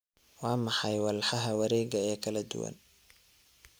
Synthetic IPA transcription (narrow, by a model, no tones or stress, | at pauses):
wɑːmɑħɑjwɑlħɑɦɐwɐɾɛːɡɐɛːkʰɐlɐd̪ʊ̰wɐ̰n